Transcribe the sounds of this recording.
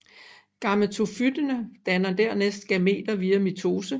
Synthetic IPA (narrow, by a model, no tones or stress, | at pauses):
ɡ̥ɑ̈ml̩t͡sʰofyd̥ənəd̥ænɐd̥æɐ̰nesd̥̚ɡ̥æme̝̰ːd̥ɐʋiːæmit͡sʰo̝ːsə